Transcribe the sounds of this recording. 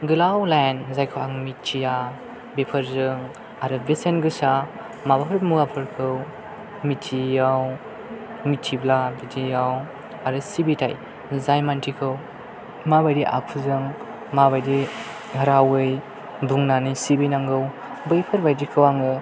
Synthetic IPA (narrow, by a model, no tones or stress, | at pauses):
ɡɯlawlanzajkʰɯwaŋmitʰːija | bepʰɐɾzɯŋ | aɾɯbesenɡɯsa | mabapʰɯɾmuapʰɯɾkʰɯw | mitʰijaw | mitʰiblabidʰijaw | aɾɯsibitʰa̰j | zajmantʰikʰɯw | mabajɾiʔa̰kʰuzɯŋ | maβajdi | hɐɾawɯj | buŋnanisibinaŋɡɯw | bɯjpʰɯɾbajdikʰɯwaŋɯ